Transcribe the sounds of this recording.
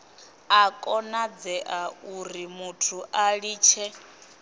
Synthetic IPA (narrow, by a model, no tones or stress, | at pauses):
akʼɔnad͡zɛʔauɾimutʰuʔaɺiːt͡ʃʰɛ